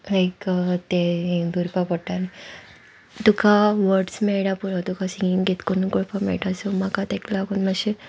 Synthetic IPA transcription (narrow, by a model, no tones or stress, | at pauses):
lajkt̪ed̪uɾpapɔʈani | t̪ukaʋəɾɖsmɛɭɽapuɾat̪ukasiŋɡiŋɡet̪konukɔɭpamɛ̰ɭʈasemakat̪eklaɡunmaɕe